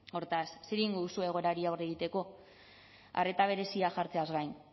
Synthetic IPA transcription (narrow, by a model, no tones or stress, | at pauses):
o̞ɾt̪asːeɾiŋɡoðusue̞ɣ̞o̞ɾaɾiawre̞ɣ̞it̪e̞ko̞ | a̰re̞t̪aβ̞e̞ɾe̞siaʝaɾt͡se̞azɣajn